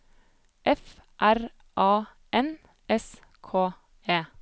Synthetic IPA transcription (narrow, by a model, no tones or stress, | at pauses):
ʔɛfʔæɾ | ʔɑː | ʔɛn | ʔɛs | kʰoː | eː